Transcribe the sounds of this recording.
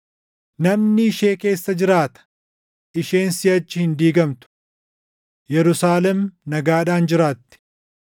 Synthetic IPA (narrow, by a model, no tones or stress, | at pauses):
nɐmnɪɪʃeːke̞ːsːɐd͡ʒɪɾaːt̪ɐ̥ | ɪʃe̞ːnsɪɐt͡ʃːɪhɪnd̪iːɡɐmt̪ʊ̥ | jɛɾʊsaːlɛmnɐɡaːᶑaːnd͡ʒɪɾaːt̪ːɪ̥